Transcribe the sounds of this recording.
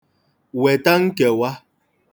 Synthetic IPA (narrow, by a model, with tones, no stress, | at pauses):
wɛ˨ta˦ŋ̩˦kɛ˨wa˦